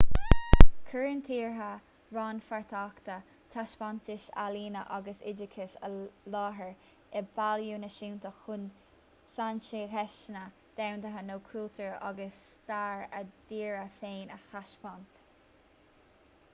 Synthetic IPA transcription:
kʰəɹənt̪ʰiːɹɦa | ɹɑnfaɹt̪ʰaːkt̪ə | t̪ʰaʃpant̪ɪʃa̰liːnəʔaɡəsɪd͡ʒɪkʰɪsə̰lɑːɦəɹ | ɛbaljuːnəʃiwnt̪əxʊn | sant͡ʃihɛʃnə | d̪̥awnd̪əɦənoːkʰuːlt̪ʰəɹa̰ɡəs | t̪aːɹəd̪̥iːɹəfeːnəhaʃpɔnt̪

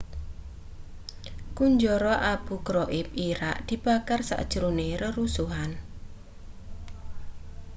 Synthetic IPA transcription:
kuɲd͡ʒɔɾɔʔab̥ṳkɾɔʔɪp̚iɾaʔd̪̥i̤b̥a̤karsa̰ʔd̥ʒ̥ɾuneɾəɾusuɦan

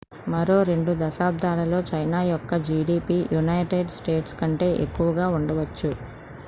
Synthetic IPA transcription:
mɐɾo̞ːɾe̞ɳɖud̪ɐʃaːb̚d̪ʱaːlɐlo̞ːt͡ʃɐjnaːjɔkːɐd͡ʒiːɽiːpiːjunɐjʈeɖsʈe̞ːʈskɐɳʈe̞ːʔekːuʋɐɡaːuɳɖɐʋɐt͡ʃːu

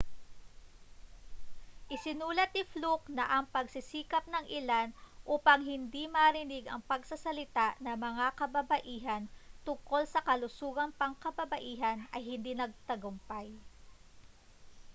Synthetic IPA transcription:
ʔɪsɪnuːlɐt̪̚ɪfluk̚nɐʔɐŋpɐɡsɪsiːkɐp̚nɐŋʔɪlanʔuːpɐŋɦɪnd̪imɐɾɪnɪɡɐŋpɐɡsɐsɐlɪt̪aʔnɐmɐŋakɐbɐbɐʔiːɦɐnt̪ʊŋko̞lsɐkɐlʊsuːɡɐŋpɐŋkɐbɐbɐʔiːɦɐnʔɐjhɪnd̪inɐɡ̚t̪ɐɡʊmpaj

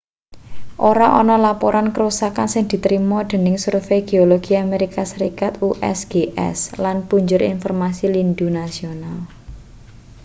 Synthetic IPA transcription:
ʔoɾaʔɔnɔlapoɾʔankəɾusakansɪŋd̪̥i̤t̪ɾimɔd̪̥ə̤nɪŋsurfeɡ̥e̤oloɡ̥i̤ameɾikasəɾikat̪uʔɛ̰sɡ̥eʔɛ̰slanpuɲd͡ʒʊɾḭnfɔrmasilind̪unasional

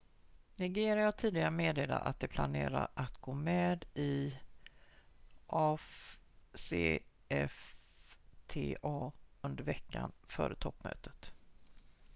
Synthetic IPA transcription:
nɛɡeːɾɪat̪ʰiːd̪ɪɡaɾəmeːd̪eːla̰ʔa̰t̪̚d̪ɛpʰlaneːɾaɾat̪ɡoːmeːd̪ɪ | ʔɑf | seː | ɛf | t̪ʰeːʔɑːɵnd̪əɾvɛkːanfœ̰ːɾət̪ʰɔpːmø̰ːt̪ət̪

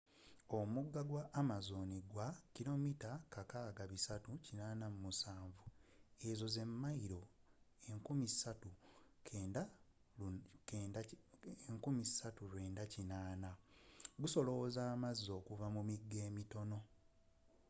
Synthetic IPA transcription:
o̞muɡːaɡwaʔːmazo̞niɡwakilo̞mitakakaːɡaβisatucinaːnamumusaːɱvue̞zo̞ze̞mːaiɾo̞ | eŋkumisatukeda | eŋkumisatulwe̞ːndacinaːnaɡuso̞lo̞zaːmazːo̞ːkuvamumiɡːe̞ːmito̞no̞

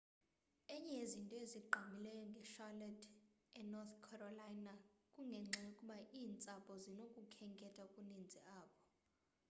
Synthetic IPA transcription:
ɛɲɛezintʼɔeziɡ͡ǃʱamilɛjɔŋɡʱɛʃalɛdʰʼɛnɔt̪kʰɔrɔlajnakʼuŋɡʱɛŋ͡ǁʱɛukʼuɓaʔiːnt͡sʼapʼɔzinokʼukʰɛŋkʼɛtʼakʼunind͡zʱiʔaːɓɔ

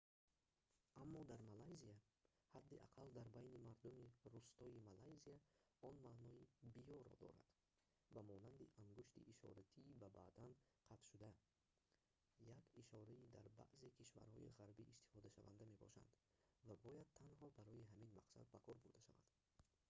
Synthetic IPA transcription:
amːɔd̪aɾmalajzia | had̪ːiʔa̰qʰald̪aɾbajnimaɾd̪umiɾust̪ɔimalajziaɔnmaʔnɔibijɔɾɔ̰d̪ɔ̰ɾa̰d̪̥ | vamɔnand̪iʔaŋɡuʃt̪ḭʔiʃɔ̰ɾat̪ʰiːbaba̰d̪anqʰat̪ʃud̪a | jakiʃɔɾaid̪a̰ɾba̰ʔze̞kʰiʃva̰ɾhɔ̰ʔḭʁaɾbiʔist̪i̥fɔd̪aʃava̰nd̪ame̞bɔ̰ʃa̰nd̪ | vabɔjad̪̚t̪ʰːanɦɔbaɾɔjiɦaminmaqsa̰d̪̚bakʰɔɾbuɾd̪aʃava̰d̪̥

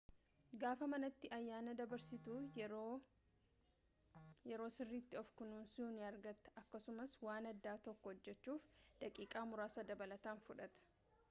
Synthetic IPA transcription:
ɡaːfɐmɐnɐt̪ːɪʔɐjːaːnɐd̪ɐbɐɾsɪt̪uː | jɛɾo̞ːsɪrːiːt̪ːɪɔfkʊnuːnsuːnɪɐɾɡɐt̪ːɐ̥ɐkːɐsʊmɐswaːnɐd̪ːaːt̪ɔkːɔhɔd͡ʒːɛt͡ʃːuːfd̪̥ɐkʼiːkʼaːmʊɾaːsɐd̪ɐbɐlɐt̪aːnfʊᶑɐt̪ɐ̥

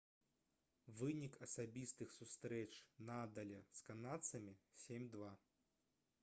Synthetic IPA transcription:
vɨnʲikɐsabʲist̪ɨxsust̪ɾɛt͡ʂnad̪ɐlʲɛskanat̪sɐmʲisʲemʲd̪va

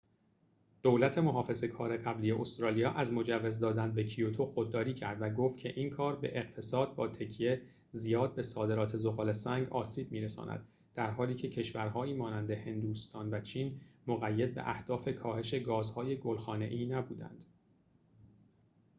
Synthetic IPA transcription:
d̪̥olæt̪ʰe̞mo̞ɦɒːfe̞ze̞kʰɒːɾe̞ɣæbliːje̞ʔost̪ɾɒːlijɒːʔæzmo̞d͡ʒævːezd̪ɒːd̪ænbecʰiot̪ʰoxod̪̚ːɒːɾiːcʰæɾd̪væɡoft̪kcʰe̞ʔiːnkʰɒːɾbe̞̰ʔeɣ̥̚t̪ʰe̞sɒːd̪̚bɒːt̪ʰe̞cʰije | zijɒːd̪̚be̞sɒːd̪e̞ɾɒːt̪ʰe̞zoɣɒːlesæŋɡɒːsiːb̥̚miːɾesɒ̰ːnæ̰d̪ | d̪̥æɾɦɒːliːcʰe̞cʰe̞ʃvæɾɦɒːiːmɒːnænd̪ehe̞nd̪uːst̪ɒːnvæt͡ʃʰiːnmoɣæjːed̪̚bḛʔæhd̪̥ɒːfe̞kʰɒːhe̞ʃe̞ɡɒːzhɒːje̞ɡolxɒːne̞̰ʔiːnæbuːd̪æ̰nd̪̥

